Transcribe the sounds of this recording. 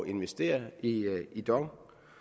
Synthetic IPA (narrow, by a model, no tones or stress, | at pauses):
e̝nʋesd̥e̝̰ːɐiid̥ɒʊ